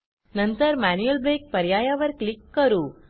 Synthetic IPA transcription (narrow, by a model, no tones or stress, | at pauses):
nənt̪əɾmænuəlbɾek̚pəɾjajaʋəɾklikːəɾuː